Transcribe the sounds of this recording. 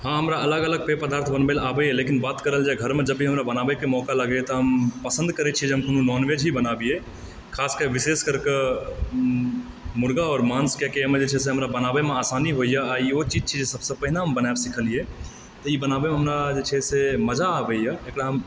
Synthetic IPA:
ɦãɦəmɾaələɡələɡ̚pepəd̪aːɾt̪ʰbənbelabəelekinbat̪kəɾəld͡ʒeɡʱəɾmed͡ʒəbiɦəmɾabənabekemɔkaləɡɛt̪ɔɦəmpəsə̃nd̪kəɾɛt͡ʃʰied͡ʒeɦəmkʰonũnɔnʋed͡ʒɦibənabie | kʰaskeɾʋiseskəɾke | muɽɡaɔːɾmanskekemed͡ʒet͡ʃʰɛs̬eɦəmɾabənabemeasaniɦoijaaiot͡ʃid͡ʒt͡ʃʰid͡ʒesəbsə̃pəɦinaɦəmbənaebsikʰəlie | t̪ɔibənabemeɦəmɾad͡ʒet͡ʃʰɛseməd͡ʒaːbəjaekɽaɦəm

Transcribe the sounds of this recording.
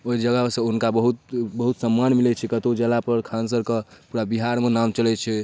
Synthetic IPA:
oid͡ʒəɡəsə̃unkabəɦut̪̚bəɦut̪səmːanmilɛt͡ʃʰɛkət̪od͡ʒɛlapəɾkʰans̬əɾkepuɾabiɦaɾmenamt͡ʃəlɛt͡ʃʰɛ

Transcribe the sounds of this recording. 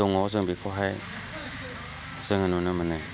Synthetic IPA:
ɔŋɔzɯŋbikʰɔɦaj | z̥ɯŋhɯnunɯmənɯ

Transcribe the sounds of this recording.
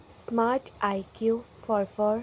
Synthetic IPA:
smaɾʈajkju | fʰɔɾfɔɾ

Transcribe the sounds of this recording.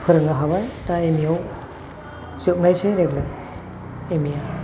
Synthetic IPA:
pʰɯɾɯŋaɦaβajtaemiaw | sɯp̚najseɾeɡla | emija

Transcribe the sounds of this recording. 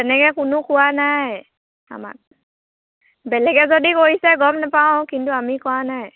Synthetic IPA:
tɛnɛkɛkʊnʊkʊwanaj | a̰ma̰k̚ | bɛlɛɡɛzodikoɦisɛɡɔmnapaʊ̃kintuamikʊwanaj

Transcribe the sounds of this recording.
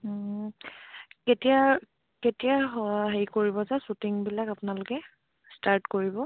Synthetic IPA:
ketija | ketiaɦaɦejkoɹibɔzasutiŋbilakapʊnalʊkɛ | staɹtkoɹibɔ

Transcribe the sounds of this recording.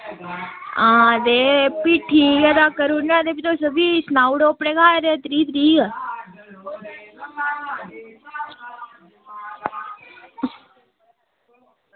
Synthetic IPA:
ãd̪epiʈʰijad̪akəɾunnãd̪epit̪osəbisnawɽopɳekaːɾet̪ɾit̪ɾiːə

